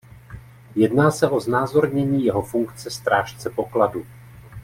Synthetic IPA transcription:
jɛdnaːsɛʔo̞znaːzo̞ɾɲɛɲiːjɛɦo̞fuŋkt͡sɛst̪ɾʔaːʃt͡sɛpo̞kladu

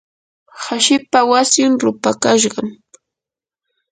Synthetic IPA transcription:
haʃɪpawasjʊnɾʊpakaʃ̬ɢɑm

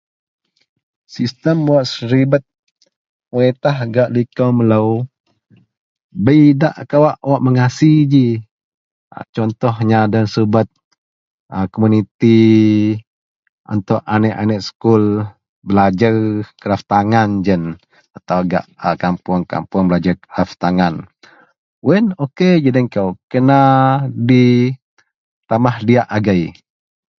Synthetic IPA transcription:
sist̪əmwaʔsəɾibət̪̚ | uet̪ahɡaʔlikəwmələw | bəidaʔkawaʔwaʔməŋasid͡ʒi | a̰t͡ʃɔnt̪ɔhɲadənsubət̪̚ | əkomunit̪i | ṵnt̪ɔʔanɛʔanɛʔsə̥kul | bəlad͡ʒarkəɾaft̪aŋand͡ʒən | at̪awaɡa̰ʔəkampʊŋka̰mpʊŋbəlad͡ʒakəɾaft̪aŋan | wɛnoked͡ʒədəŋkawkənadi | t̪amahdiaʔaɡaj

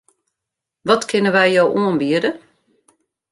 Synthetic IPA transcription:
ʋɔtkʰɪnəʋɛjjowʔuənbiədə

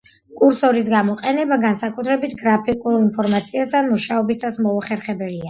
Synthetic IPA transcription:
kʼuɾsɔɾis̬ɡamɔqʼɛnɛbaɡansakʼut̪ʰɾɛbit̪ʰɡɾapʰikʼulˠinpʰɔɾmat̪sʰiast̪ʰanmuʃaɔbisasmɔuχɛɾχɛbɛlia

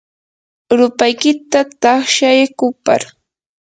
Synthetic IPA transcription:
ɾʊpajkɪt̪at̪ɑχʃajakʊpa̰ɾ

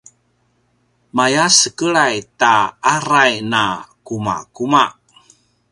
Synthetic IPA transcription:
majasəkəɭajtaaɾajnakuma̰kumaʔ

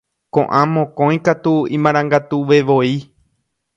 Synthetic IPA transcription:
kõʔãmõkõj̃kat̪uĩmãɾ̃ãŋɡat̪uʋe̞ʋoi

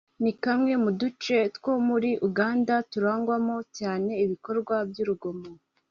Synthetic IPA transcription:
nikamŋe̞mudut͡ʃe̞tkwo̞muɾiʔuɡaːndatuɾaːŋɡwamo̞caːne̞iβiko̞ɾɡwabjuɾuɡo̞mo

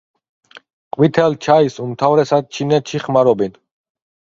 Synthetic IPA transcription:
qʼwit̪ʰɛlt͡ʃʰaisumt̪ʰavɾɛsad̪̚t͡ʃʰinɛt̪ʃiχmaɾɔbin

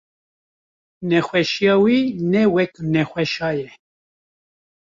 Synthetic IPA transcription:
nɛxʷɛʃijɑːwinɛwɛknɛxʷɛʃɑːjɛ

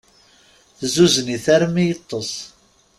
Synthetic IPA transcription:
θzuzəniθaɾmijət̪ˤːəsˤ

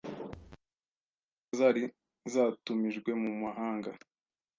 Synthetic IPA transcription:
zaɾi | zaːtumiʒɡwe̞mumaɦaːŋɡa

